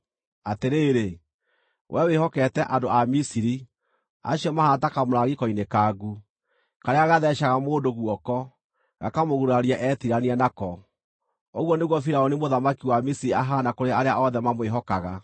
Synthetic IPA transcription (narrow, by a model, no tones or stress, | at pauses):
ateɾeːɾe | wʔɛwehɔkɛtɛʔandoamisiɾi | a̰ɕiɔmahatakamoɾaɣikɔinekaːɡu | kaɾeaɣaðɛʃaɣamoːdoɣwɔkɔ | ɣa̰kamoɣuɾaɾiaʔɛtiɾanianakɔ | oɣwɔneɣwɔfiɾaɔnimoðamakiwamisiɾiaɦanakoɾeaɾeaɔðɛmamweɦɔkaɣa